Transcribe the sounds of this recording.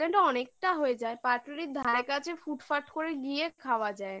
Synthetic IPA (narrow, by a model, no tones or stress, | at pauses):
eɳʈɔnek̚ʈaɦoed͡ʑaepaɾʈoɾid̪ʱaɾekat͡ɕʰefuʈfaɾʈkoɾeɡiekʰaoad͡ʑae